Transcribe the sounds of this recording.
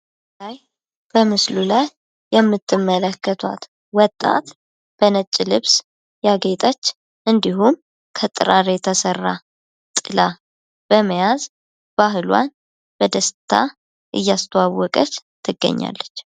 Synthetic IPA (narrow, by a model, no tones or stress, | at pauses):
laj | b̥əmɨslulajː | ɛmːɨt̪ʰːɨmːələkːət̪ʰwa̰t̪ | wɔt̪ʼːa̰t̪ | b̥ənət͡ʃʼːilɨβs | jaɡet̪ʼat͡ʃː | ʔɨnd̪iɦum | kʰət̪ʼɨɾaɾet̪ʰəsərːa | t̪ʼɨla | b̥əməjaz | b̥aɦɨlwa̰n | b̥əd̪əst̪ʰa̰ | ʔɨ̰jːast̪ʰəwawɔkʼət͡ʃt̪ʰːɨɡːə̰ɲːa̰lːət͡ʃː